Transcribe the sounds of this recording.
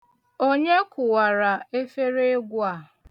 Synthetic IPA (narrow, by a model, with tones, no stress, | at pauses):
o˦ɲe˦kʊ˨wa˨ɾa˨e˦fe˦ɾe˦e˦ɡʷʊ˦a˦˨